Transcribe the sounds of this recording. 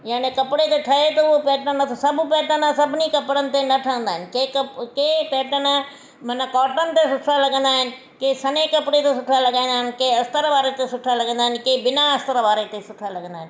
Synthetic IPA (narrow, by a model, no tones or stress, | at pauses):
jaːnekɐpɪɽet̪eʈʰɐet̪ɐʊopeːʈənɐt̪ʰosɐbʱpɛːʈənə̃sɐbʱɪnikɐpɪɽənɪ̆t̪enɐʈʰəə̃nd̪aːɦɪnɪ̆kekɐkeːpeːʈənə | mɐnəkɔːʈənɪ̆t̪esʊʈʰalɐɠə̃nd̪aːɦɪnɪ̆ | keːsɐnekɐpɪɽet̪esʊʈʰalɐɡaːĩːnd̪aːɦɪnɪkeɐst̪əɾʋaːɾet̪esʊʈʰalɐɡə̃nd̪aːɦɪnɪ̆keːbɪnaɐst̪əɾʋaːɾet̪esʊʈʰalɐɡə̃nd̪aːɦɪ̃nɪ̆